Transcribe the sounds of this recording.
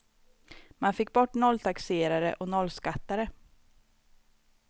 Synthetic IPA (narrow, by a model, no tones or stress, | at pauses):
manfɪkːbɔʈːnɔlːt̪ʰakseːɾaɾə̰ʔɔnɔlːskat̪ːaɾə